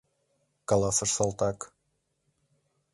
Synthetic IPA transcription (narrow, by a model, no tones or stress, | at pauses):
kɑlˠɑsɤ̆ʃsolˠt̪ɑk